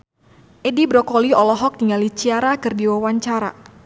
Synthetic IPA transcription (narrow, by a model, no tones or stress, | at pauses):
ʔɛdibɾɔkɔliɔlɔɦɔk̚tiŋalit͡ʃiaɾakɨrdiwawaɲt͡ʃaɾa̰